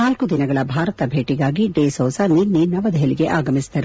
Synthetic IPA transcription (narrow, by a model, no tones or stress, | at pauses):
naːlkud̪inɐɡɐɭɐbʱaːɾɐt̪ɐbʱeːʈiɡaːɡiɖeːsɔːsɐniːnːiːnːɐʋɐd̪ɐɦeliɡe̞ʔaːɡɐmist̪ɐɾu